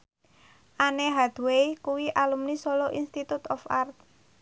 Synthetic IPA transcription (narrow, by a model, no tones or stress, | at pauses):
ʔaneɦad̪̥uwekuwiʔalumnisoloʔinst̪it̪ut̪ɔfart̪̚